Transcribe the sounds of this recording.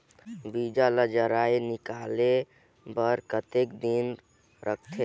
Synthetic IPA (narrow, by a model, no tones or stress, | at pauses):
bid͡ʒaləd͡ʒəɾainɪkale | bəɾkət̪ekd̪in | ɾʔək̚ʰt̪ʰe